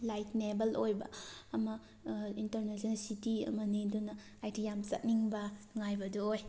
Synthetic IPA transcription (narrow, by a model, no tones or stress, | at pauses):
lajtnebɐlʔojbɐ̰ːmɐ | intɐɾnesnlsitiɐ̰mɐnidunɐ | ajtʰijamsɐ̰t̚niŋbɐnŋajbɐduoj